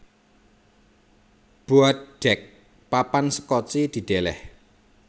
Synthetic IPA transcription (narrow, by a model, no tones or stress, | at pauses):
b̥uat̪̚ɖ̥ɛk̚ | papansə̥kɔt͡ʃid̪̥i̤d̪̥elɛ̰h